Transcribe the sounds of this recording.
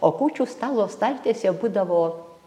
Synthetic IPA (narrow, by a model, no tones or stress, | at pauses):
oːkuːt͡ʃʲuːst̪ɑːlˠoːst̪ɐlʲt̪ʲeːsʲɛbuːd̪ɐʋoː